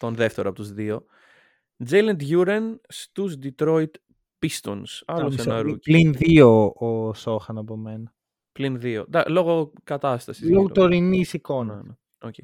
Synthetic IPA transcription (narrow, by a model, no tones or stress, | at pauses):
t̪o̞nðe̞ft̪e̞ɾoɐpot̪uzðio̞ | d͡zejlɐnt̪ʝuɾɐnst̪uzd̪it̪ɾoit̪ | pist̪onsɐlosenɐɾulinðioosoxɐnɐpo̞menɐ | plinðio̰d̪ɐlo̞ɣokɐt̪ɐst̪ɐsizout̪oɾinisiko̞nɐnɐ | oce